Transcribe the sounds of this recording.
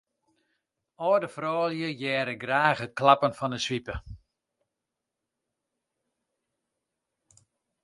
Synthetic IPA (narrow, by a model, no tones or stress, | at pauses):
ɔːdəfrɔːljəjɛːɾəɡraːxət̚klapənfɔnəsʋipə